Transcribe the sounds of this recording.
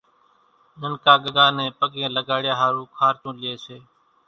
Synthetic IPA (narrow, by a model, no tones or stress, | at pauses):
d͡ʒənkaːɡəɠaːnẽːpəɠẽːləɡaːɽɪjaːɦaːɾũːkʰaːɾt͡ʃũːlɪeːseː